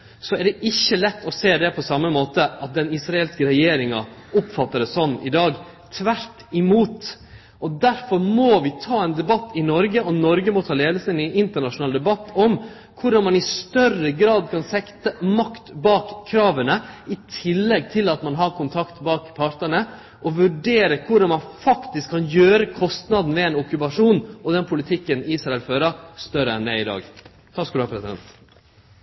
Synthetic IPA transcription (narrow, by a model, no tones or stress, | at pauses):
sɔɛɖɛʔɪçːəlɛt̪ːɔseːd̪ɛpʰɔsɑmːəmoːt̪əɑt̪̚d̪ɛnɪsɾɑɛlskəɾɛjeːɾɪŋɑʊpfɑt̪ːəɾəsɔnːʔɪd̪ɑːɡ | t̪ʰʋæɾt̪ɪmuːt̪ | ʔɔd̪æɾfɔɾmɔʋɪt̪ʰɑːɛnd̪ɛbɑt̪ːɪnɔɾɡəɔnɔɾɡəmɔt̪ʰɑːleːd̪əsəɛnɛnɪnt̪əɳɑʂʊnɑːld̪ɛbɑt̪ːɔm | kʰʊɖɑnmɑnɪst̪œrəɡɾɑːd̪kʰɑnsɛkt̪əmɑkt̪bɑːkʰːɾɑːʋənəɪt̪ʰɪlːɛɡt̪ʰɪlɑt̪mɑnɦɑɾkʰʊnt̪ʰɑkt̪bɑːkpʰɑɾʈ̪əɳə | ʔɔʋʉɖeːɾəkʰʊɖɑnmɑnfɑkt̪ɪskʰːɑnjøːɾəkʰɔst̪nɑd̪n̩ʋɛɛnʊkʉpɑʂuːnɔd̪ɛnpʰʊlɪt̪ʰɪkːəniːsɾɑɛlføːɾɑst̪œɾəɛnd̪æɪɪd̪ɑ̰ːɡ̪ʰ | ɑskʉːlɑpʰɾɛsɪd̪ɛ̰nt̪